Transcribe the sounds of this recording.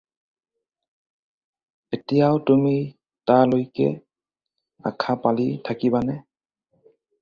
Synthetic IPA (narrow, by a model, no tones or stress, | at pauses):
etijawtumi | talojkɛ̰ | a̰kʰapalitʰakibanɛ